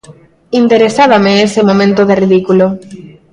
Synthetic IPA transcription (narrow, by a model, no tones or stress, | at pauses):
int̪eɾesaβameesemomẽnt̪oðeriðikulo